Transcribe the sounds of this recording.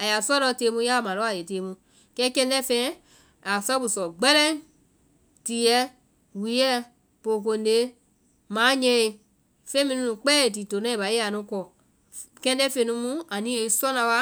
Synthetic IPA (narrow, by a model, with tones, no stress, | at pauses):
a˨ja˨su˦a˦ɾɔ˧˦teː˧˦mũ˧˦ja˦˨mã˨ɔ˨˦a˨je˨teː˨˦mũ˧˦ | kɛ˦kɛ̃˧n˦dɛ˦fɛ̃˧˦ | a˨sɔ˦bu˨sɔ˨ɡ͡bɛ˦lɛ̃˦ | ti˨jɛ˦ | wi˨˦jɛ˦ | po˨k̬o˧nde˦ | mãː˨˦ɲɛ̃˧e˧ | fẽ˦mĩ˧nũ˧nũ˧k͡pɛː˦e˨t̬i˨to˨nɛ̃˦i˨ba˨e˦a˨nũ˦kɔ˨ | kɛ̃˧n˦dɛ˦fẽ˧˦nũ˧˦mũ˦a˨nĩ˦e˧˦sɔ˦nã˧wa˧